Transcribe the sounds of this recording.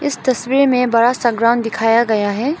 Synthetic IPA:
ɪst̪ɐswiːɾmẽbɐɽasaɡɾaʊnd̪ɪkʰaːjaɡɐjaɦɛː

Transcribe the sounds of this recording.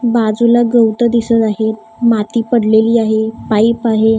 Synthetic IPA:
bad͡zulaɡəwt̪əd̪isət̪aɦe | mat̪iːpəɽleliːaɦepaipaɦe

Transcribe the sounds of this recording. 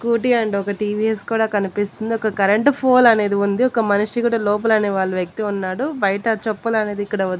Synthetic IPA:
kuːʈiɐɳɖɔkɐʈiːʋieskuːɽaːkɐnipist̪und̪iɔkɐkɐɾeɳʈpʰoːlɐne̞ːd̪iund̪iɔkɐmɐniʂikuːɽɐlɔːp̬ɐlɐneːʋaːɭːuʋjɐk̚t̪eunːaːɽubɐjɐʈɐt͡ʃopːɐlɐne̞ːd̪ikːɐɽɐɐd̪

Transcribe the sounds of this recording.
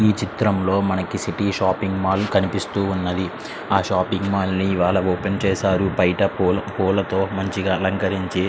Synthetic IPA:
iːt͡ʃit̪ɾɐmlo̞ːmɐnɐkisiʈiːʃaːpiŋɡmaːlkɐnipist̪uːunːɐd̪i | aːʃaːpiŋɡmaːlniːʋaːɭɐoːpent͡ʃɛːsaːɾupɐjʈɐɐpuːlɐt̪o̞ːmɐɲt͡ʃiɡaːɐlɐŋkɐɾiɲt͡ʃi

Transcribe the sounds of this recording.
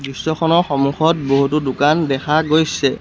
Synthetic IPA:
bɹisːɔkʰɔnɔɹxɔmuxɔt̚boɦutʊdʊkandɛxʰaɡojsɛ

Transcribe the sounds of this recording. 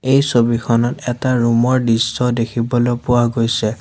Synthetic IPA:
ejsobikʰɔnɔtɛtaɹumɔɹdisɔdekʰibɔlopʊwaɡojsɛ

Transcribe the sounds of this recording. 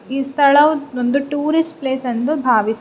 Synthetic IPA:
iːst̪ʰɐɭɐond̪uʈuːɾisʈpleːsɐnd̪ubʱaːʋis

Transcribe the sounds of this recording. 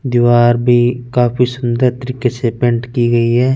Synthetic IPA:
d̪ɪʋaːɾbʱikaːpʰisʊnd̪əɾt̪əɾiːkesepẽːɳʈkiɡəiɦɛː

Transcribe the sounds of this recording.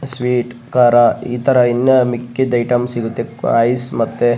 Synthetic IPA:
sʋiːʈkaːɾaḭːt̪ʰɐɾɐinːɐmikːid̪ɐjʈɐmsiɡut̪ːḛɐjsmɐt̪ːe

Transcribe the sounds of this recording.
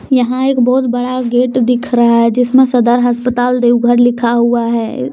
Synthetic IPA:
jɐɦãeːkbɔːt̪bɐɽaɡeːʈd̪ɪkʰɾɐɦaɦɛd͡ʒɪsmẽsɐd̪əɾɦəspət̪aːld̪eːwɡʱəɾlɪkʰaɦuaɦɛː

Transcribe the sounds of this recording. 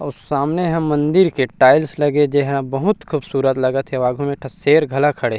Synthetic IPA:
ʊsːaːmneɦɛ̃mːɐ̃nd̪ɪɾkeʈaːɪlslɐɡed͡ʒeɦabɐɦʊt̪kʰubsuːɾət̪lɐɡat̪ʰeaːɡʱumẽʈʰɐseːɾɡʱɐlakʰɐɽeː

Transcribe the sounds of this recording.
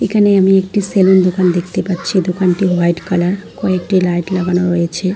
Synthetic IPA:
ekʰaneamiek̚ʈiselond̪okand̪ekʰt̪epatːɕʰid̪okanʈiɦajʈkalaɾkɔek̚ʈilajʈlaɡanoɾojet͡ɕʰe

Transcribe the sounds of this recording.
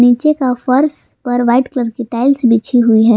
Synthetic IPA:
niːt͡ʃekafɐɾs | pɐɾʋaɪʈkləɾkiʈaːɪlsbʱit͡ʃʰiɦʊiɦɛː

